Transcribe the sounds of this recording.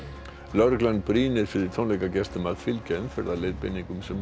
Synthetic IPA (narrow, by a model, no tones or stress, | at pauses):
lœɾkland̪̚bɾiːnɪɾ̥fɪɾɪɾt̪ʰownlɛjkacɛst̪ʏmaðfɪlcɛnfɛɾðalejðpḛniŋkʏmsɛm